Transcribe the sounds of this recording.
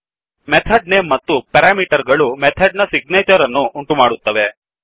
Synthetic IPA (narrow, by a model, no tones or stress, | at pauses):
met̪ʰəɖnemɐt̪ːupɛɾamiʈəɾɡɐɭumet̪ʰəɖ̚nasiɡ̚net͡ɕəɾənːuʔuɳʈumaɽut̪ːəʋe